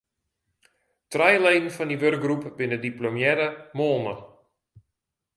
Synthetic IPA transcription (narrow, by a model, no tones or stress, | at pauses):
trɛjlejnn̩fɔndiʋørk̚ɡrupʋɪnədiplomjɛɾəmoːlˠmə